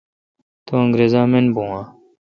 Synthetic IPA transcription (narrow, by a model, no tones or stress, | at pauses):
t̪uəŋɡɾeːzãːmenbũːãː